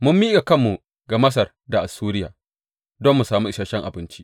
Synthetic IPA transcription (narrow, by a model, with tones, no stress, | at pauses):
mʊ˦mːi˦ɡa˨kɐ˦mːu˨ | ɡa˨mɐ˦s̬ɐ˨r | da˨ʔa˨suː˦ɾɪ˦ja̰ː˨ | dɔ˦mːu˨saː˨mu˦ʔɪ˦ʃaː˨ʃɛ˦ŋʔa̰˨bɪ˦nt͡ʃi̥˦ʔ